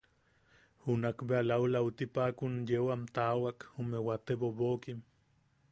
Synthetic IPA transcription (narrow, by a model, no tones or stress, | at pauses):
hunakbealawlaut̪ipakunjewamt̪awakumewat̪eβoβokim